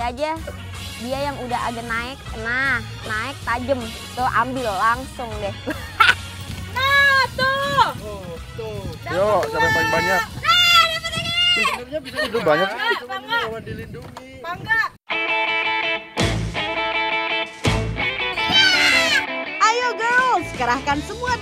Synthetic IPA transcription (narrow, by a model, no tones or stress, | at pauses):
ad͡ʒa | diajaŋudaɦa̰ɡanaɪk̚nah | naɪk̚t̪ad͡ʒəm | t̪ʊhʔa̰mbɪlːaŋsʊŋdɛh | at̪o | joaasabaɲak̚ | iurɲabisidubaɲak | adilinduŋ | aŋɡa | ajoɡasəkəɾahkansəmua